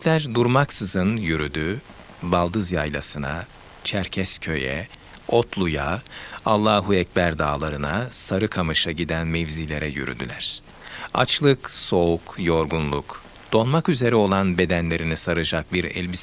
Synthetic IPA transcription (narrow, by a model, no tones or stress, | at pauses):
lʲæɾd̪uɾmaksɯzɯnjyɾyd̪y | balˠd̪ɯzjajlˠasɯna̰ | t͡ʃʰæɾcʰɛscʰø̞jɛ̰ot̪ʰlˠujaalˠːaːɦuɛcbæɾd̪aːlˠaɾɯnasaɾɯkʰamɯʃaɟid̪ænmevzilʲe̞ɾɛjy̰ɾy̰d̪y̰lʲæɾ̝̥ | a̰t͡ʃlˠɯkso̞ukjo̞ɾɡunlˠuk | d̪̥o̞lˠmakyze̞ɾɛo̞lˠanbe̞d̪ænlʲe̞ɾinisaɾɯd͡ʒak̚biɾɛ̰lʲbis